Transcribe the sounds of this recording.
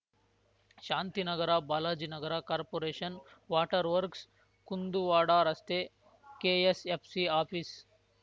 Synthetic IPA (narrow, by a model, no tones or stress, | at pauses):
ʃaːnt̪inɐɡɐɾabaːlaːd͡ʒinɐɡɐɾakaːɾpoːɾeːʃɐnʋaːʈɐɾʋɐɾks | kund̪uʋaːɽaːɾɐst̪e | keːesepʰsiaːpʰis